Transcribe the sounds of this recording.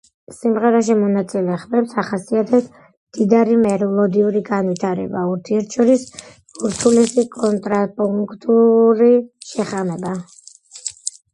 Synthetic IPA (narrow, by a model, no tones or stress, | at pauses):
simʁɛɾaʃ̬imɔnat̪sʼilɛχvɛpsaχasiat̪ʰɛt̪ʰ | md̪̥id̪aɾimɛɾlˠɔd̪iuɾiɡanwit̪ʰaɾɛ̰bauɾt̪ʰiɛɾt̪ʰʃɔɾis | uɾt̪ʰulisikʼɔnt̪ʼɾapʼuŋkʰt̪ʼuɾiʃɛχamɛba